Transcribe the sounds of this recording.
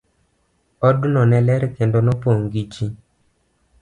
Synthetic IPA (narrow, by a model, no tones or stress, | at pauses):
ɔdʊnɔnɛlɛɾkendonɔpoŋɡit͡ʃi